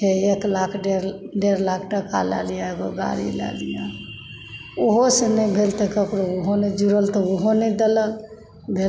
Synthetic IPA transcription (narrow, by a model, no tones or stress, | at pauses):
eeklakʰɖeɾɖeɾlak̚ʰʈəka̰la̰lijaeɡoɡa̰ɾḭla̰lija | oɦosenəbʱelt̪ɛkəkɾooɦoned͡ʒuɾəlt̪ɔoɦonɛd̪eləl | bʱe